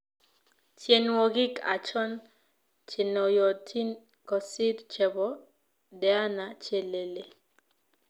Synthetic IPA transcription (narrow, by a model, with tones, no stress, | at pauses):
t͡ʃje˨nwɔ˨ɡɪ˦ka̰˨t͡ʃɔ˦n | t͡ʃe˨nɔ˨jɔ˨tʰi˦n | kɔ˨si˦ɾt͡ʃɛ˨bɔ˦ | dɛ˨a˦na˨t͡ʃe˨le˨le˨